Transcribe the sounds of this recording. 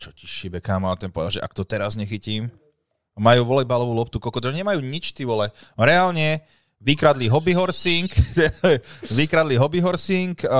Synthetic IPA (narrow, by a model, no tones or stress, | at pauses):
t͡ʃɔ̥ci̥ʃibɛkaːmɔat̪ɛnpɔʋɛd̪alʒɛ̰ʔa̰kt̪ɔt̪ɛɾazɲɛxiciːm | majuːʋɔlɛbalɔʋuːlɔpt̪ukɔkɔd̪ɔɛɲɛmajuːɲit͡ʃt̪iːʋɔlɛɾɛaːlɲɛ | ʋikɾad̪liɦɔbiɦɔɾsiŋkt̪ɛɛʋikɾad̪liɦɔbiɦɔɾsiŋk